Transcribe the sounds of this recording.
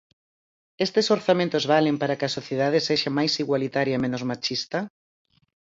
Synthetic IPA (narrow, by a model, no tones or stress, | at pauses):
est̪ɪsoɾθamẽnt̪ozβalempaɾɐkɪɐsoθjeð̞aðɪseʃamajsiɣwalit̪aɾjɐemẽnʊzmat͡ʃist̪ɐ